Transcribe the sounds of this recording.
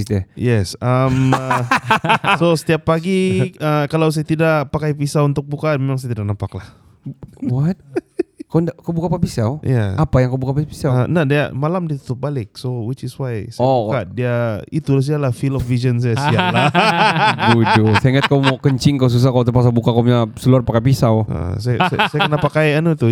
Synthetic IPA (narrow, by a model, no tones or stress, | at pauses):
sd̪ɛjɛsəm | sosə̥t̪iapːaɡiəkalaws̬ajat̪idaʔpakajpisaunt̪ʊk̚bukamemaŋs̬ajat̪idaʔnapaklah | wat̪̚kwndakawbukaːpapisaja̰apajaŋkawbukapapi̥saənahdia̰malamdiat̪u̥t̪əp̚balɪk̚sowɪt͡ʃɪswajsauadiait̪ulas̬ialahfilɔfvisəns̬ajasiala | ɡudusaŋat̪̚kamakəɲt͡ʃɪŋkaws̬us̬akawt̪əpas̬abukakaɲasəluarpakajpisawʔə̰saja̰sajakənapakajanut̪u